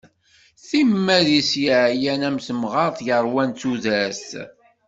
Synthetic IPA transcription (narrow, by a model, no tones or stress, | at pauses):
θimːæðisjəʕjænæmsəmʁɑɾˤθjəɾˤwænt͡sːuðæs